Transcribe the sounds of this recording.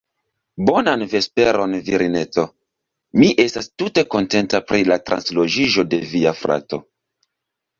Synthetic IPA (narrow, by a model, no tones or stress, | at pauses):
bo̞nanve̞speɾo̞nviɾine̞t͡so̞ | miʔe̞stastute̞ko̞nte̞ntapɾilatɾʔa̰nslo̞d͡ʒiʒo̞de̞viafɾa̰to̞̰